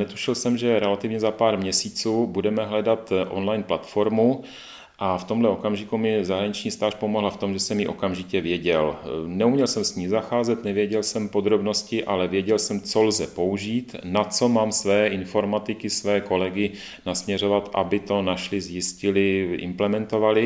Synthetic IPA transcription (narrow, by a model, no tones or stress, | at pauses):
nɛt̪u̥ʃɪlsɛmʒɛɾɛlat̪ɪvɲɛzapaːɾmɲɛsiːt͡suːbudɛmɛɦlɛdat̪ʔo̞nlajnplat̪fo̞ɾmu | ʔaft̪o̞mɦlɛo̞kamʒɪkumɪzaɦɾaɲɪt͡ʃɲiːst̪aːʃpo̞moɦlaft̪o̞mʒɛsɛmjɪʔo̞kamʒɪcɛvjɛɟɛlnɛumɲɛlsɛmsɲiːzaxaːzɛt̪nɛvjɛɟɛlsɛmpo̞d̪ɾo̞bno̞scɪʔalɛvjɛɟɛlsɛmt͡so̞lzɛpo̞uʒiːt̪nat͡so̞maːmsvɛːʔɪnfo̞ɾmat̪ɪkɪsvɛːko̞lɛɡɪ | nasmɲɛr̝ovat̪ʔa̰bɪt̪o̞naʃlɪzjɪscɪlɪʔɪ̰mplɛmɛnt̪o̞valɪ